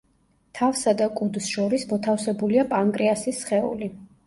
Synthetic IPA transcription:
t̪ʰafsad̪akʼud̪sʃɔɾismɔt̪ʰafsɛbuliapʼaŋkʼɾiasisχɛṵli

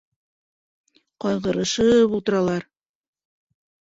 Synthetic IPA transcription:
qɑjʁɤ̆ɾɤ̆ʃɤpulˠt̪ɤ̆ɾɑlˠɑɾ

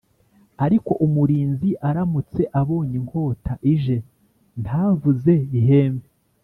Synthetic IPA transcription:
aɾiko̞ʔumuɾiːnziʔaɾamut͡se̞ʔaβoːɲiŋko̞ːtaʔiʒe̞ | nthaːvuze̞βiɦe̞ːmve

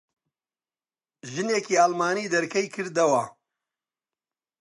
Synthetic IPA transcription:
ʒɨneːkiːaːlmaːniːd̪ɐɾkɐjkʰɨɾd̪ɐwɐ

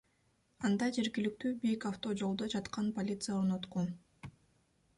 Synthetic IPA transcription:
ɑnd̪ɑd͡ʒe̞ɾɡʲilik̚t̪yːbekaft̪o̞d͡ʒo̞lˠd̪od͡ʒɑt̪qɑnpolʲit̪sɨjaoɾno̞t̪qu

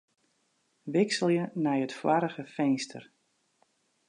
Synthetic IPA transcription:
ʋɪksəlˠjənɛjətfwaɾəɣəfejnstʰə̰r

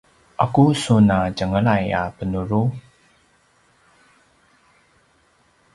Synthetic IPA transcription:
ʔakusunaɟəŋəɭaja̰pənuɾu

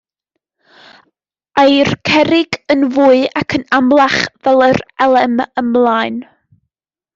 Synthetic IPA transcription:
ajrkʰɛɾɪɡənvuːɨakʰənamlˠaχvɛlˠərɛlˠɛməmlˠaːɨn

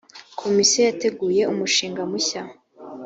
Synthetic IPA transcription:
kʰo̞misiejate̞ɡuːje̞umuʃiːŋɡamuça

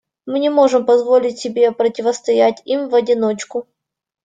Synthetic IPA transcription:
mɨnʲɪmo̞ʐɨmpɐzvo̞lʲɪtʲsʲɪbʲe̞pɾətʲɪvəst̪ɐjætʲimvɐdʲɪnot͡ɕkʊ

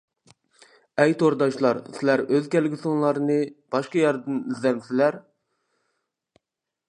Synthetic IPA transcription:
ɛjt̪ʰoɾd̪ɑʃlˠɑɾsɪlæɾøzkʲɛlɡʲɪsoŋlˠɑɾnɨb̥ɑʃqɑjɑɾd̪ɨnizlɛmsɪlæɾ

